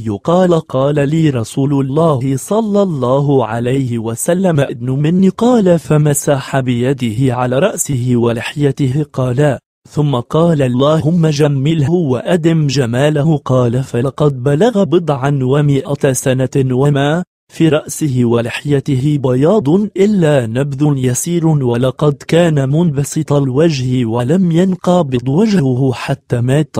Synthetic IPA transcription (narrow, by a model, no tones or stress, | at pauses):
jʊqɑːlqɑːlaliːɾˤɑsuːlʊlˤːɑːhɪsˤɑlːɑlˤːɑːɦʕa̰lajhɪwasalːamaʔɪd̪nʊmɪnːiqɑːlafamasaːħabɪjad̪ɪhɪʕalaːɾˤɑʔsɪɦɪwalɪħjat̪ɪhɪqɑːlaːʔ | θʊmːaqɑːlalˤːɑːhhʊmːad͡ʒamːɪlhhʊwaʔad̪ɪmd͡ʒamaːlahʊqɑːlafalɑqɑd̪̚balaɣabɨd̪ˤʕanwamɪʔat̪sanawamaː | fiːɾˤɑʔsɪhɪwalɪħjat̪ɪɦɪbɑjɑːd̪ˤnʔɪlːanabd̪ʊnjasiːɾwalɑqɑd̪kaːnamʊnbɑsɨt̪ˤɑlwad͡ʒhwalamjanqɑbɪd̪ˤwaʒhʊhʊħat̪ːaːmaːt̪